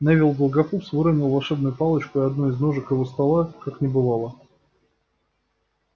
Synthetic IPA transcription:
navʲɪlˠɡəlˠɡɐfupsvɨɾənʲɪlˠvɐlˠʂɛbnʊjʊpɑlˠət͡ɕkʊɪɐd̪nuɪznoʐɨkjɪvost̪ɐlˠakaknʲɪbɨvalˠə

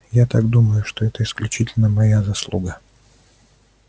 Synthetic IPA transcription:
jat̪aɡd̪uməjʊʂt̪oɛt̪əɪsklʲʉt͡ɕitʲɪlʲnəmɐjazɐslˠṵɡə

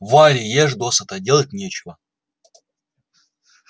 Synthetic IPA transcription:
valʲɪjeʐd̪osət̪ɐdʲelˠət̚ʲnʲet͡ɕɪvə

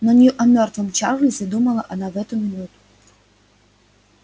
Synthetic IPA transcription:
nɔnʲjuʔɐmʲɔrt̪vɨmt͡ʃa̰rlʲizʲad̪umɐlˠɐʔɐnavɛt̪umʲɪnut̪u̥

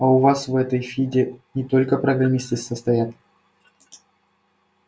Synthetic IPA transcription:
ɐʊvasvɛt̪əjfʲidʲɪnʲɪt̪o̞lʲkəpɾəɡɾɐmʲist̪ɨsəst̪ɐjat̪

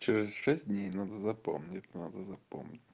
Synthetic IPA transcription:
t͡ɕɪɾʲɪsʂɛsʲtʲdʲnʲejnad̪əzɐpo̰mnʲɪtʲnad̪əzɐpo̰mnʲɪtʲ

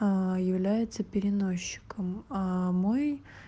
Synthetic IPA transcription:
jɪvlʲæjɪt̪səpʲɪɾʲɪno̞ɕːɪ̥kəmamo̞j

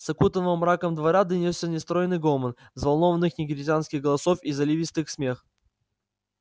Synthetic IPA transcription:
sɐkut̪əvɨmːɾakəmd̪vɐɾad̪ɨnʲɪsʲənʲɪst̪ɾojɪnːɨjɡomən | zvɐlˠnovənːɨxnʲɪɡʲɪɾʲɪzʲɪanskʲɪɣɡəlˠɐsofizɐlʲivʲist̪ɨxsmʲe̞x

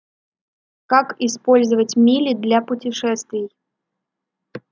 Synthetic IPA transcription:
kakɪspolʲzəvətʲmʲilʲɪd̪lʲapʊtʲɪʂɛst̪vʲɪj

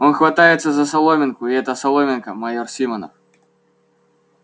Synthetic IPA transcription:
ɔnxvat̪ajɛt̪sːɐzɐsalˠɔmʲɛnkuiɛt̪ɐsalˠɔmʲɛnkɐmajɔrsʲimɐnɐ̰

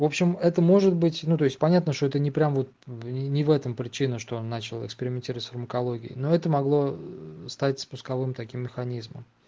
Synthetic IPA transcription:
vo̞pɕɪmɛt̪əmo̞ʐɨd̪bɨtʲnut̪o̞ɪsʲt̚ʲpɐnʲat̪nəʂt̪o̞ɛt̪ənʲɪpɾʲamvo̞t̪̚ʲɪnʲɪvɛt̪əmpɾʲɪt͡ɕinəʂt̪oonːat͡ɕɪlˠɪ̰kspʲɪɾʲɪmʲɪnʲtʲiɾəvətsfərməkɐlˠo̞ɡʲɪ̰ɪ̰no̞ɛt̪əmɐɡlˠo̞st̪atʲspʊskɐvɨmt̪ɐkʲimːʲɪxɐnʲizmə̰m

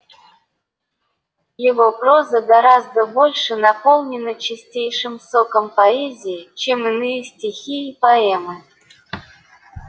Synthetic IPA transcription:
jɪvopɾozəɡɐɾazd̪əbo̞lʲʂɨnɐpolˠnʲɪnət͡ɕɪsʲtʲejʂɨmsokəmpɐɛzʲɪɪt͡ɕemɨnɨjəsʲtʲɪxʲiipɐɛmɨ

